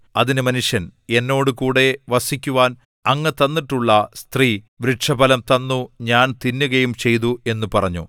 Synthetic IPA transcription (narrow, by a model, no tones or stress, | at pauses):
ɐðinɨmɐnuʂjɐne̞nːo̞ːɽɨkuːɽe̞ʋɐsikʲːuʋaːn | ɐŋːɐt̪ɐnːiʈːuɭːɐst̪riː | ʋɾiʈʂɐbɐlɐmt̪ɐnːuɲaːnt̪inːuɣɐjumt͡ɕe̞jt̪ue̞nːupɐrɐɲːṵ